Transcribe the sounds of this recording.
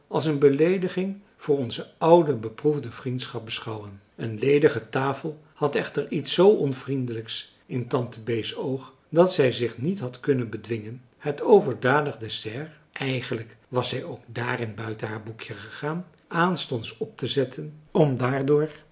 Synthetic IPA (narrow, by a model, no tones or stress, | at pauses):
ʔɑlˠs̬ənbəlejdəχɪŋ | v̥ʊːɹɔnzəʌwdəbəpruvdəvrintsχɑp̚bəsχɑwən | ənlejdəχətaːfəlˠ | hɑtɛχtəɹitsowʔɔnvrindələks | ɪntɑntəbejsowχ | dɑtsɛjzɪχnitɦɑtkɵnənbədʋɪŋən | hətowvəɹdaːdəχdɛsɛr | ʔɛjχənləkʋɑsɛjowɡ̚daːrɪnbœɥtənɦaːɹbukjəχəχaːn | ʔaːnstɔntsɔp̚təzɛtʰənɔmdaːɹdʊːɹ